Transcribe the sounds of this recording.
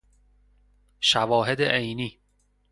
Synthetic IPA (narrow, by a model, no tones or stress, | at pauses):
ʃævɒːɦed̪ḛʔejniː